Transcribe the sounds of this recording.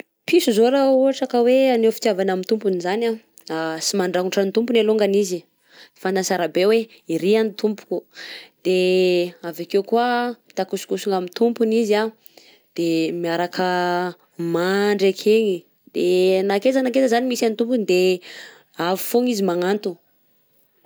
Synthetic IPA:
pisuzoɾaoaʈ͡ʂakəweanewfi̥t̪javanamint̪umpunizana | asimaɳɖ͡ʐakuʈ͡ʂant̪umpuneluŋɡanizi | fanansaɾabewe | iɾiant̪ʰumpu̥kud̪̥eavakewkuamit̪akusu̥kusuŋɡamit̪umpuniza | d̪̥emiaɾakʰə | maɳɖ͡ʐekʰeŋi | d̪̥enakezanakezəzanimisanit̪umpund̪e | avi̥foŋizimaŋant̪u

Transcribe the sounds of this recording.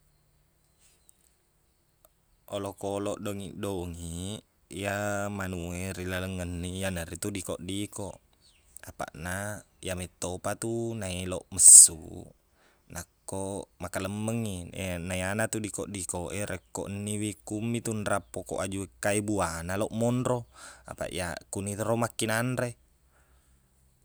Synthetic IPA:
ʔolokolɔʔdoŋḭʔdoŋi | jamanueɾilaləŋːənːijanəɾit̪udikoʔdikoʔ | apa̰ʔna | jamɛt̪ːopat̪unaeloʔməsːṵ | nakːomakaləmːəŋːinaianat̪udikoʔdikoʔeɾekːoʔənːiwikumːit̪unrapːoko̰ʔad͡ʒuekːaibuanaloʔmɔndɾoa̰pa̰ʔj̰akunit̪ɾomakːinanɾe

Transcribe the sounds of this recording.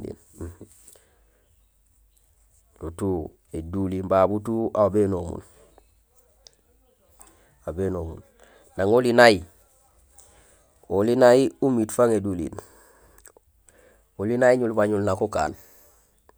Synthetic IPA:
ḭn | lutu | edulimbabutuabenomṵn | abenomṵn | naŋolinaji | olinajiumitfaŋedulḭːn | ulinaiɲulbaɲulnakoka̰ːn

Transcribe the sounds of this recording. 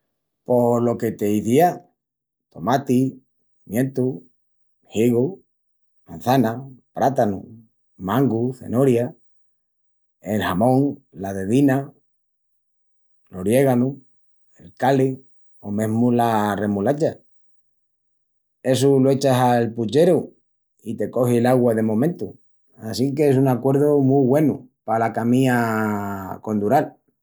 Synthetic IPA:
po̞lo̞ket̪eiθia | t̪o̞mat̪i | imje̞nt̪u | hiɣu | man̟θanapɾat̪anṵ | mãŋɡuθe̞̰noɾja | elhamõŋlaðe̞ðina | loɾje̞ɣanu | elkali | omẽ̞ɦmulare̞mulat͡ʃa | e̞suloe̞t͡ʃasalput͡ʃe̞ɾu | it̪e̞ko̞hilaɣwaðe̞mõ̞mẽnt̪u | asikees̬uŋakwe̞ɾðomuβwe̞nupalakamĩa | ko̞nd̪uɾal

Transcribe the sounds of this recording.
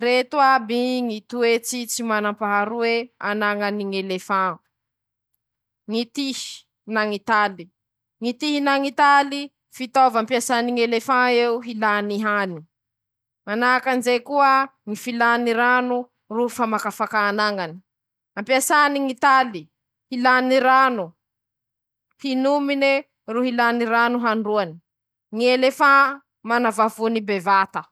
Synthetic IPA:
ret̪uabiŋit̪uet͡sit͡simanampaɦaɾuweanaŋaniŋelefã | ŋit̪ihi̥ | naŋit̪ali | ŋit̪iɦinaŋit̪ali | fit̪ovampiasaniŋelefãeuɦilaniɦani̥ | manakanzekuəŋifilaniɾanu | rufamakafakaːnaŋani̥ | ampiasaniŋit̪ali | hilaniɾanu | hinumine | ruɦilaniɾanuɦaɳɖ͡ʐuani̥ | ŋielefã | manavavunibevat̪ə

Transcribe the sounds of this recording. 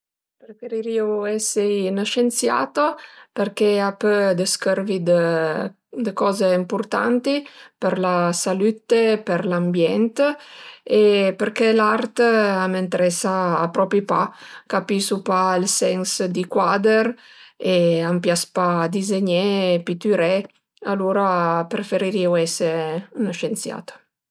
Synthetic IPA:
pɾefeɾiɾioɛsejnəʃensja̰ːt̪opeɾkeapød̪əskərvid̪ə | d̪əkɔːzeimpurt̪a̰nt̪ipeɾlasalyt̪epeɾlambjɛnt̪ | epəɾkelart̪amənt̪eɾɛsaːpɾɔpipakapisupailsɛŋsd̪ikwad̪eɾ | eampjaspad̪izeɲepit̪yɾɛ | aluɾapɾefeɾiɾiwɛseunʃent̪sja̰ːt̪ə̥

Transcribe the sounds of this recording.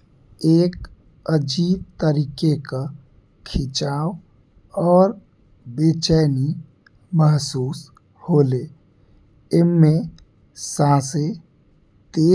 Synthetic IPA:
eːk | əd͡ʒiːb̚t̪əɾiːkeka | kʰɪt͡ʃaːw | ɔːɾ | beːt͡ʃəːni | məɦsuːs | hoːleː | ɪnmẽ | sãːse | t̪eː

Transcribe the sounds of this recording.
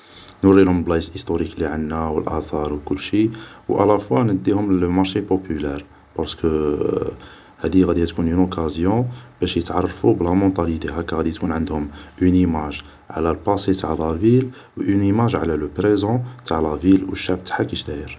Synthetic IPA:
nuɾilhʊməlblɑsʔist̪oɾikliʕənːæwəlʔæt̪ɑɾˤwkʊlːʃiwʔɑ̰læfwanəd̪ːihʊmlmɑɾˤʃepopylɛɾ | pɑɾsə̥kə | hæd̪iɣæd̪iæt̪kunynokʰazjɔ̃b̥æʃjət̪ʕɑrˤːfublæmɔ̃t̪ɑlit̪eɦækæɣæd̪it̪kunʕənd̪hʊmʔynimaʒ | ʕ̰lælpɑset̪aʕlævil | wʔynimaʒʕlæləpɾezɔ̃t̪aʕlævilwəʃːaʕbt̪ḁħakiʃd̪æjəɾ

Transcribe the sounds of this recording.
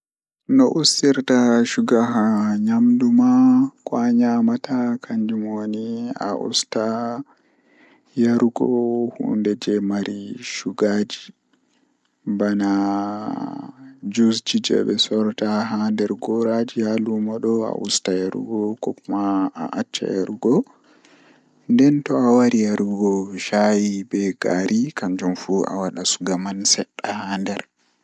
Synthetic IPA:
nɔʔusːiɾtaʃuɡaɦaɲamdumakɔaɲamatakʰaɲd͡ʒumonia̰ʔṵsta | jaɾuɡɔhṵndɛd͡ʒɛmaɾiʃuɡad͡ʒi | bana | d͡ʒusd͡ʒid͡ʒɛ̰bɛsɔɾtaɦandɛɾɡɔɾad͡ʒihalumaɗɔa̰ʔustajaɾṵɡɔkɔkumaa̰ʔat͡ʃːa̰jaɾuɡɔ | ndɛntɔawaɾijaɾuɡɔʃajibɛɡaɾʔikand͡ʒumfua̰waɗasu̥ɡamansɛɗːahandɛɾ

